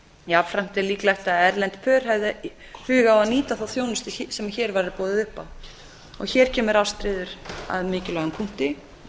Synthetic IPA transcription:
jaːfɾam̥t̪ɛliːklajht̪aðɛɾlɛnt̪pʰœːɾ̥hɛvðɪ | hʏːɣaawaðniːt̪aθaθjoːwnʏst̪ɪsɛmaçɛːɾvaɾɪɾpɔːðɪðʏhpaw | ɔ̰çɛːɾ̥cʰɛːmʏɾawst̪ɾɪːðʏɾa̰ðmɪːcɪlaɣʏnpʰuŋ̥t̪ɪ

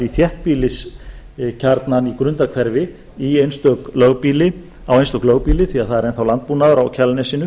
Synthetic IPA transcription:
iθjɛht̪̚piːlɪs | cʰaɾt̪nanikɾʏnt̪akʰvɛɾvɪ | iejnst̪œklœɣpiːlɪ | awejnst̪œklœɣpiːlɪθʰviaðθaðɛɾɛnθawlant̪̚puːnaðʏɾawcʰalnɛsɪnʏ

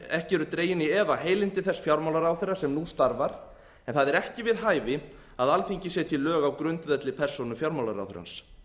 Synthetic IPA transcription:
ɛhcɪɛɾʏt̪ɾeːjɪniɛvaheːjlɪnt̪ɪθɛsfjawɾmawlaɾaːwθɛɾːasɛmnust̪aɾvaɾ̥ | ɛnθaðɛɾɛhcɪvɪðɦaːjvɪ | aðalfiɲcɪsɛt̪ʰɪlœːɣawkɾʏnt̪vɛt̪lɪpʰɛr̥sownʏfjawɾmawlaɾa̰wθʏ̰ɾa̰ns

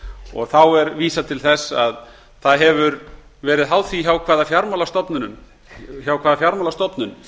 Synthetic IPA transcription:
ɔ̰ɣθawɛɾviːsat̪ʰɪlθɛsːa̰ð | θaðɦɛvʏɾ | vɛːɾɪðɦaːwθviçawkʰvaːðafjaɾmalast̪ɔpnʏnʏm | çawkʰvaːðafjaɾmalast̪ɔpnʏn

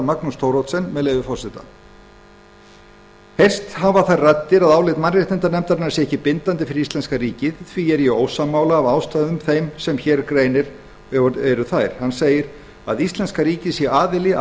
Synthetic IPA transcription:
maknust̪ʰowɾowt̪sɛnːmɛðleːjvɪfɔr̥sɪt̪a̰ | hejr̥st̪havaθarat̪ːɪɾaðaːwlɪt̪manrɪht̪nɪnt̪aɾnɛmt̪aɾnaɾsjɛɛhcːɪpɪnt̪ant̪̬ɪfɪɾɪɾist̪lɛnskariːcɪðθviɛɾjɛoːwsamːaːwlaːvaːwst̪aːjðʏmθejmsɛmçɛɾkɾeːjnɪɾ | ɛɾʏθajɾ̥hanseːjɪɾ | a̰ðist̪lɛnskaɾiːcɪsjɛʔaːðɪlɪ

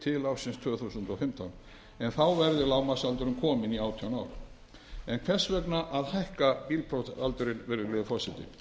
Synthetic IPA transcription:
t̪ʰɪlawsɪnst̪ʰœːθusʏnt̪ɔwfɪm̥t̪awn | ɛnθawvɛɾðɪlaːwmasalt̪ʏɾʏmkʰɔːmɪniaːwt̪ʰianaːwɾ | ɛnkʰvɛr̥svɛknaʔaðhajhkapilpʰɾɔt̪alt̪ʏɾɪnvɛːɾɪlɛðfɔsɛt̪ɪ̰

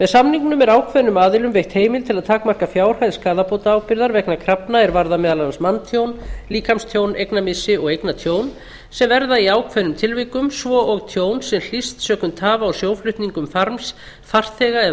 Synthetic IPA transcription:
vɛðsamniŋknʏmɛɾaːwkʰvɛnʏmaːðɪlʏmvejht̪heːjmɪlt̪ʰɪlaðt̪ʰaːkmar̥kafjaːwr̥hajðskaːðapowt̪aaːwpɪɾðaɾvɛknakʰɾapnaɛɾvaɾðamɛːðalaansmant̪ʰjownliːkʰamst̪ʰjownʔejknamɪsɪɔɣejknat̪ʰjoːwn | sɛmvɛɾðaiaːwkʰvɛnʏmt̪ʰɪlvɪkʏmsvɔʔɔɣt̪ʰjoːwnsɛml̥ist̪sœːkʏnt̪ʰːaːvaːwsjowflʏht̪niŋkʏmfaɾms | θar̥t̪θɛɣaɛ

